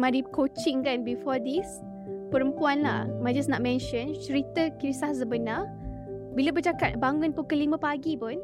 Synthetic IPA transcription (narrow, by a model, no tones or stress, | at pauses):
madikot͡ʃĩŋkanbifɔd̪is | pəɾəmpuanlahmad͡ʒasnɔʔ̚mɛ̃nʃə̃nt͡ʃəɾit̪əkɾisahsəbəna | bilabəd͡ʒakat̪̚baŋũnpukəlimə̃paɡipʊn